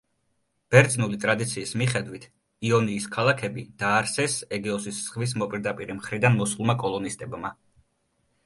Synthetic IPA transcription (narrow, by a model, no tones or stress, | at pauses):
b̥ɛɾd̪znulit̪ʼɾad̪it̪sʰiːsmiχɛd̪wit̪ʰ | iɔniːskʰalˠakʰɛbid̪̥aːɾsɛsɛɡɛɔsissχvis̬mɔpʼiɾd̪apʼiɾimχɾid̪anmɔsulˠmakʼɔlˠɔnist̪ʼɛbma̰